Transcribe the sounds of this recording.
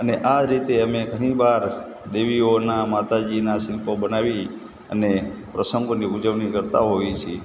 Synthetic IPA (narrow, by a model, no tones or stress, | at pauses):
əneʔaɾit̪eəmeɡʱəɽ̃ĩbaɾ | d̪eʋionamat̪ad͡ʒinaʃilpobənaʋi | ə̰nepɾəsə̃ŋɡoniud͡ʒəʋɳikəɾt̪aɦojt͡ʃʰi